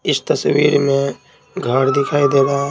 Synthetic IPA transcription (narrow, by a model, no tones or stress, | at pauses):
ɪst̪əsʋiːɾmẽ | ɡʱəɾd̪ɪkʰaːid̪eːɡaː